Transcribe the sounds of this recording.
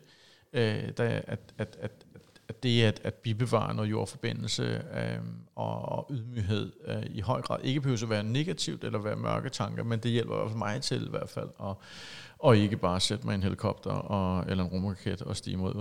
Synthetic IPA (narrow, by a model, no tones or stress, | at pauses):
ød̥ææd̥æd̥æd̥æd̥e̝æd̥æd̥b̥ib̥e̝ʋɑ̰̈nɔːjo̝ɐ̰fɒ̽b̥e̝n̰l̩səøɒ̽ːʔuðˠmyɦe̝ð̞̰ˠiɦɒ̽ɪ̰ɡ̥ʁɑ̈ð̩̰ˠe̝ɡ̥əbpʰəhøʊs̬ɒʋæːɐne̝ɡ̥æt͡sʰiʊd̥elɐʋæːɐmɶɐɡ̥ət͡sʰɑ̈ŋɡ̥ɐmend̥e̝jel̰b̥ɐḭæ̰ɐ̰fælmɑ̈ɪt͡sʰe̝liʋæɐ̰d̥fæl̰ɒ̽ | ɒ̽e̝ɡ̥əb̥ɑ̈ːsed̥mɑ̈ɪe̝nɦe̝likʰɒ̽b̥d̥ɐɒ̽elɐenʁomokʰed̥ɒ̽sd̥ḭːmo̝ð̰ˠ